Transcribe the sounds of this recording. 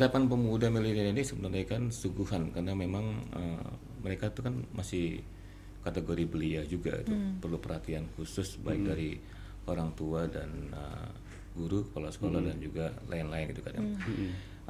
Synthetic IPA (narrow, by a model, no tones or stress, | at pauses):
ɾapanpəmudahmilit̪aninisəbənarɲakansuɡuɦankaɾənamemaŋə̰m | məɾekait̪ukanmasɪh | kat̪eɡoɾibəliahd͡ʒuɡa̰ḭt̪upərlupərhat̪iankusʊsbaɪk̚daɾi | ʔoɾaŋt̪uadanə̰ | ɡuɾu̥kolasə̥kolahdand͡ʒuɡalʔa̰ɪnlaɪnɡit̪ukada̰ŋ